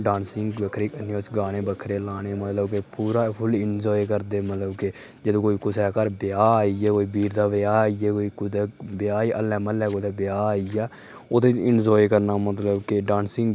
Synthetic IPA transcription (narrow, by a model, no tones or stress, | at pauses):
ɖaːnsɪŋɡbəkʰɾeːkənjoːt͡ʃɡaːñeːbəkʰɾeːlaːneːmət̪ləbkepuːɾaːpʰʊlɪnd͡ʒɔːjkəɾd̪eːmət̪ləbke | d͡ʒəd̪õːkoːiːkʊsɛːkəɾbɪjaːijɛːkoːiːbiːɾd̪aːʋɪjaːijɛːkoːiːkʊd̪eːbɪjaːiʔəlɛ̃ːməlɛːkod̪aːbɪjaːijaː | oːt̪eɪnd͡ʒɔːjkəɾnaːmət̪ləbkeɖaːnsɪ̃ŋɡ